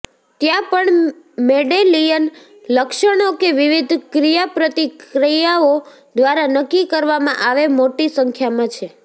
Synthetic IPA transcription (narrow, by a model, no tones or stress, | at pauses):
t̪jãpəɳ | meɖelijən | ləkʃəɽ̃okeʋiʋid̪ʱkɾijapɾət̪ikɾijao | d̪ʋaɾanəkːikəɾʋamãʔaʋemoʈisəŋkʰjamãt͡ʃʰe